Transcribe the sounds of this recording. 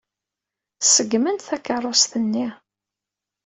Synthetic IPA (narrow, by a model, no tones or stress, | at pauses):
səɡmənt̪θækːərˤːost̪ənːi